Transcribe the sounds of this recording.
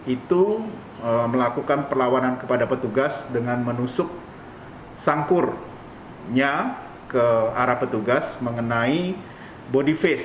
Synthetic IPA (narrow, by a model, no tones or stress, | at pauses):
it̪u | əməlakukanpərlawanankəpadapət̪uɡasdəŋanmənusʊk̚ | saŋkʊr | ɲa | kəaɾahpət̪uɡasməŋənai | bodifɛs